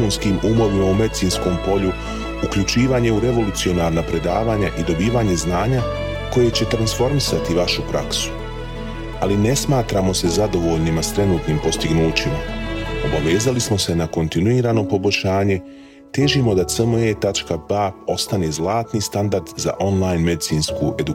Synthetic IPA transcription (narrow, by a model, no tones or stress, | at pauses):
unskiːmʔumo̞ʋimaume̞d̪it̪sinsko̞ːmpo̞ʎu | ukʎut͡ʃiːʋaːɲe̞uɾe̞ʋo̞lut̪sio̞naːɾnapɾe̞d̪aːʋaːɲaʔid̪o̞biːʋaːɲe̞znaːɲa | ko̞je̞t͡ɕe̞t̪ɾansfo̞ɾmisat̪iʋaʃupɾaksu̥ | aline̞smaːt̪ɾaːmo̞se̞zad̪o̞ʋo̞ːʎnimast̪ɾe̞nuːt̪nimpo̞st̪iɡnuːt͡ɕimao̞baʋe̞ːzalismo̞se̞nako̞nt̪inuiːɾaːno̞po̞boʎʲʃaːɲe̞ | t̪eːʒimo̞d̪at̪səmet̪at͡ʃkabao̞st̪anezlˠaːt̪nist̪and̪aɾd̪za̰ʔo̞nlˠajnme̞d̪it̪siːnskṵʔe̞d̪u